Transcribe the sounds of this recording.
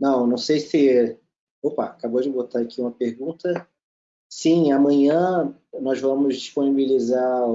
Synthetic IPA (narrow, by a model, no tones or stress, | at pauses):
nɐ̃w̃nɐ̃w̃sejsɪ | opaakabod͡ʒɪbot̪aɾakʰiũmɐpeɾɡũt̪ɐ | sĩamɐ̃jɐ̃nɔzvɐ̃mʊzd͡ʒiʃponibiliza